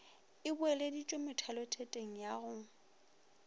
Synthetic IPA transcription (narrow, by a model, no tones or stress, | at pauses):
ɪbʊɛledit͡ʃʼʊmɪtʰɛlɔtʰetʼeŋ̩jaɣʊ